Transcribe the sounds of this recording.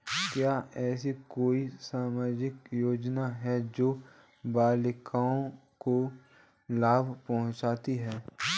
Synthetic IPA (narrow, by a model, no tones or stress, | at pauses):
kjaːɛːsikoːisaːmaːd͡ʒɪkjoːd͡ʒnaɦɛd͡ʒoː | baːlɪkʰaːõko | laːbpɐɦʊ̃t͡ʃaːt̪iɦɛː